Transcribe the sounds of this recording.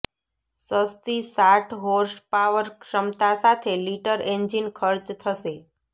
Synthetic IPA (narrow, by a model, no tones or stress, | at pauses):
səst̪isaʈʰɦoɾspaʋəɾkʃəmt̪asat̪ʰeliʈəɾeɲd͡ʒinkʰəɾd͡ʒt̪ʰəʃe